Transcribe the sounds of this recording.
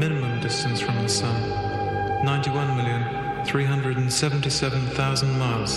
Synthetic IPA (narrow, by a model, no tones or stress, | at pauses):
mɪ̃nɨmə̃mdɪstɨ̃n̩sfɹʌ̃mðɪsʌ̃ | nãɪ̃ntiwʌ̃nmɪlˠjɨ̃n | θɹiɦʌ̃ndɹɨdn̩sɛvn̩tisɛvə̃n̩θaʊzə̃nmaɪlˠz̥